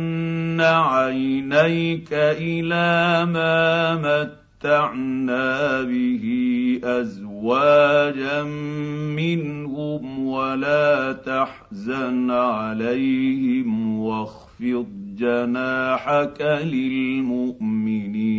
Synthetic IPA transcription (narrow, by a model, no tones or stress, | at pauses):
aʕajnajkaʔɪlaːmaːmat̪ːaʕnaːbɪɦiʔazwaːd͡ʒamːɪnhʊmwalaːt̪aħzanʕalajhɪmwɑɣ | fɨt̪̚ˤd͡ʒanaːħakalɪlmʊʔmɪniː